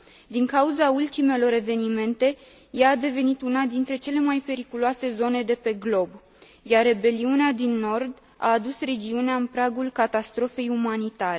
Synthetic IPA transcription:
d̪iŋkauzault̪ime̞lo̞ɾe̞ve̞nime̞nt̪e̞ | jaːd̪e̞ve̞nit̪unad̪int̪ɾe̞t͡ʃe̞le̞majpe̞ɾikuloase̞zo̞ne̞d̪e̞pe̞ɡlo̞b | jaɾe̞be̞liunead̪inːo̞rd̪ | a̰ːd̪usre̞d͡ʒiuneaɨnpɾaɡulkat̪ast̪ɾo̞fe̞jumanit̪aɾe̞

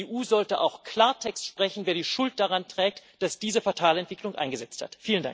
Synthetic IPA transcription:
eːʔuːzɔltəʔa̰ʊxkʰl̥aːɐtʰɛkstʃpʁ̥ɛçn̩veːɐdiːʃʊlt̚d̥aʁantʁ̥ɛːk̚td̥asd̥iːzəfatʰaːlɛntv̥ɪklʊŋʔa̰ɪnɡəzɛt͡stha̰tfiːlənda̰ŋ

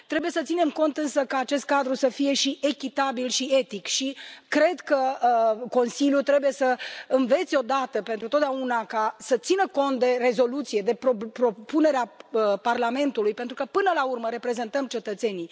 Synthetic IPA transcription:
t̪ɾe̞buje̞sət̪sine̞mko̞nt̪ɨnsəkaːt͡ʃe̞st̪̚kad̪ɾusəfije̞ʃiʔe̞kʲit̪abilʃie̞t̪ikʃikɾe̞d̪kəko̞nsiljut̪ɾebuje̞səɨnve̞t̪sʲo̞d̪at̪əpent̪ɾut̪ot̪d̪aunakasət̪sinəko̞nt̪̚d̪e̞re̞zo̞lut̪sije̞d̪e̞pɾopɾo̞pune̞ɾeaəparlame̞nt̪ulujpe̞nt̪ɾukəpɨnəlaurməɾe̞pɾe̞ze̞nt̪əmt͡ʃe̞t̪ət̪se̞ni

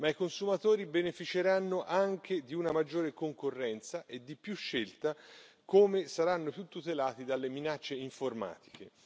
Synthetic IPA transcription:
maikonsumat̪oːɾibenefit͡ʃeɾanːoʔaŋk̟ʰed̪iunamad͡ʒːoːɾekoŋkorːɛnt̪saʔed̪ːipjuʃːelt̪a | koːmesaɾanːopjut̪ːut̪elaːt̪id̪alːeminat͡ʃːeiɱforma̰ːt̪i̥ke

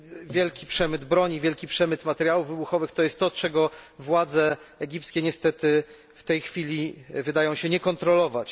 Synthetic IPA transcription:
vʲjɛlkʲipʂɛmɘd̪bɾɔɲivʲjɛlkʲipʂɛmɘt̪mat̪ɛɾjawuvvɘbuxɔvɘxt̪ɔjɛst̪ːɔt͡ʂɛɡɔvwad̪zɛːɡʲipt̪skʲɛɲɛst̪ɛt̪ɘ | ft̪ɛjxfʲilʲivɘd̪ajɔ̃w̃ɕɛɲɛkɔnt̪ɾɔlɔvat͡ɕ

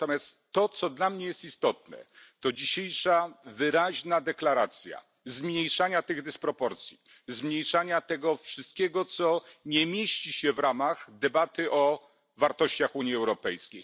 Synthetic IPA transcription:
t̪ɔmʲjast̪ːɔt̪sɔd̪lamɲɛjɛst̪ist̪ɔt̪nɛ̰t̪ɔd͡ʑiɕejʂavɘɾaʑnad̪ɛklaɾat̪sʲja̰ | zmɲejʂaɲat̪ɘɣd̪ɘspɾɔpɔɾt̪sʲji | zmɲejʂaɲat̪ɛɡɔfʂɘst̪̚kʲɛɡɔt̪sɔɲɛmʲjeɕt͡ɕiɕɛvɾamaɣd̪ɛbat̪ɘʔɔ | vaɾt̪ɔɕt͡ɕaxuɲjiɛwɾɔpɛjskʲej

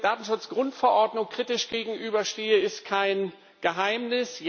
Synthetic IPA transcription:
d̥aːtn̩ʃʊt͡sɡ̥ʁʊntfɛɐʔɔɐdnʊŋkʁ̥iːtɪʃɡ̥eːɡŋ̩ʔyːbɐʃteːəɪstkʰaɪn | ɡ̥əɦaɪmnɪs

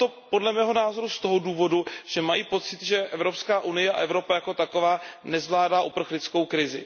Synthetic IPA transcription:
t̪o̞po̞dlɛmɛːɦo̞naːzo̞ɾust̪o̞ɦoduːvo̞duʒ̥ɛmajiːpo̞t̪t͡sɪt̪ʒɛʔɛvɾo̞pskaːʔunɪjɛa̰ʔɛvɾo̞pajako̞t̪ako̞vaːnɛzvlaːdaːʔupr̩xlɪt͡sko̞wkɾɪzɪ̰

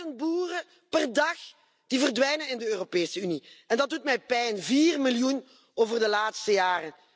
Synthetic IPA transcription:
ənbuːrə | pɛrdɑx | d̥ivərdʋɛjnənɪndəøːropeːsəyniɛndɑt̚dutmɛjpɛjnviːrmiljun | oːvərdəlaːtstəjaːrə

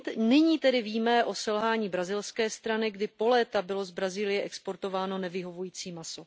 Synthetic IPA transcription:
t̪nɪɲiːt̪ɛdɪviːmɛʔo̞sɛlɦaːɲiːbɾazɪlskɛːst̪ɾanɪɡdɪpo̞lɛːt̪abɪlo̞zbɾaziːlɪjɛʔɛkspo̞ɾt̪o̞vaːno̞nɛvɪɦo̞vujiːt͡siːmaso̞

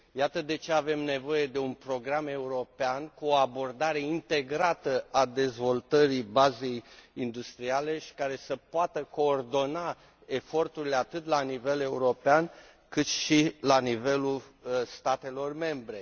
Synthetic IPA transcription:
jat̪əd̪e̞t͡ʃe̞ave̞mne̞vo̞je̞d̪e̞unpɾo̞ɡɾame̞uɾo̞peankuoabo̞rd̪aɾe̞int̪e̞ɡɾat̪əʔad̪e̞zvo̞lt̪əɾibaze̞jind̪ust̪ɾiale̞ʃi̥kaɾe̞səpoat̪əko̞ːrd̪o̞na | e̞fo̞rt̪uɾile̞at̪ɨt̪lanive̞le̞uɾo̞pean | kɨt̪ʃilanive̞lulst̪at̪e̞lo̞rme̞mbɾe̞

